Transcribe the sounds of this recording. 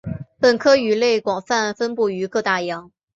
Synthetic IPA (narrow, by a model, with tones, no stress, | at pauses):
pə˨˩nkʰɤ˥y˨˩le˥˩ɪkwɑ˨˩ŋfa˥˧nfə˥npu˥˩y˧˥kɤ˥˧t̪a˥˩jɑ˧˥ŋ